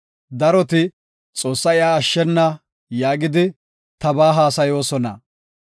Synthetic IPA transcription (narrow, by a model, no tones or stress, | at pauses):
d̪ɐɾɔt̪ɪ | t͡sʼo̞ːsːɐɪjaːʃːɛnːɐ | jaːɡɪd̪ɪ | t̪ɐbaːɦaːsɐjo̞ːsɔnɐ